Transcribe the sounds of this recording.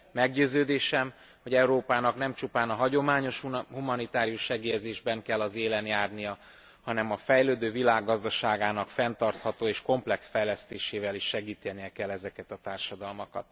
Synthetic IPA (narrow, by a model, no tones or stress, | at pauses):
mɛɡɟøːzøːd̪eːʃɛm | ho̞ɟɛuɾoːpaːnɒknɛmt͡ʃupaːnɒɦɒɟo̞maːɲo̞ʃhumɒnit̪aːɾijuʃʃɛɡeːjɛzeːʒbɛŋkɛlːɒzeːlɛnjaːrnijɒ | hɒnɛmɒfɛjløːd̪øːvilaːɡːɒzd̪ɒʃaːɡaːnɒkfɛnt̪ɒrt̪hɒt̪oːeːʃko̞mplɛksfɛjlɛst̪eːʃeːvɛliʃːɛɡiːt̪ɛnijɛkɛlːɛzɛkɛt̪ɒt̪aːrʃɒd̪ɒlmokɒ̰t̪